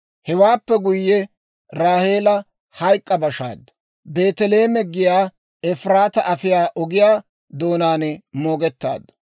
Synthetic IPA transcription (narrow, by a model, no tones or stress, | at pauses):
hɛwaːpːɛɡʊjːɛ | ɾaːheːlɐ | hɐjkʼːɐbɐʃa̰ːd̪ɐ | be̞ːt̪ɛle̞ːmɛɡɪjaː | ɛfɾaːt̪ɐʔɐfɪjaːʔɔɡɪjaː | d̪o̞ːnaːnɛmo̞ːɡɛt̪ːa̰ːd̪ɐ